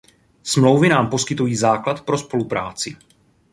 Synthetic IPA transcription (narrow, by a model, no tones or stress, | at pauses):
smlo̞wvɪnaːmpo̞skɪt̪ujiːzaːklat̪pɾo̞spo̞lupɾaːt͡sɪ